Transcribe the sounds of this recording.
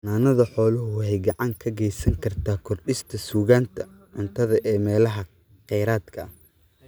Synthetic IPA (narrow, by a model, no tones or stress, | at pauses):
naːnɐðɐħɔːlʊɦʊhɛjɡɑʕɑŋkʰɐɡɛjsɐŋkʰɐrt̪ʰaːkʰɔrɗɪst̪ʰɐsuːɣaːnt̪ʰɐ | ʕʊnt̪ʰɐðɐʔɛːmɛːlɐɦɐ | qɛjɾaːd̪kʰɐ